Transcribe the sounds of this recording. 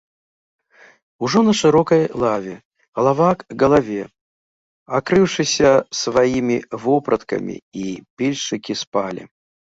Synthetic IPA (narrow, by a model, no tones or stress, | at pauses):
uʐɔnɐʂɨɾɔkɐjlˠavʲɛ | ɣɐlˠavakɡɐlˠavʲɛ | akɾɨwʂɨsʲɐsvajimʲivɔpɾɐt̪kɐ̰mʲḭipʲilʲʂɨkʲispalʲḭ